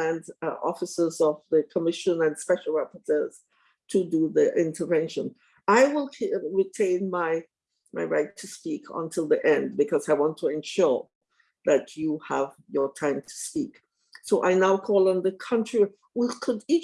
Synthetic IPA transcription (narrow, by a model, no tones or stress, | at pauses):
æ̃ndʔɔ̰fəsəzɔvðəkʰəmɪʃə̃nɨ̃nspɛʃəl̩ˠɹɛpətʰɜz̥ | tʰuduðiʔɪ̃ntʰə˞vɛ̃nʃə̃n | aɪwɪlˠʰɹitʰẽɪ̃nmaɪ | maɪɹaɪtʰːuspikʰə̰̃ntʰɪlˠðiʔɛ̃ndbɨkʰɔzaɪwɑ̃ntʰːuɛ̃nʃʊɹ | ðæt͡ʃjuhəvjətʰãɪ̃mtʰu̥spik | soʊʔaɪnaʊkʰɔlˠə̃nðəkʰʌ̃ntɹ̥i | wikʰʊdi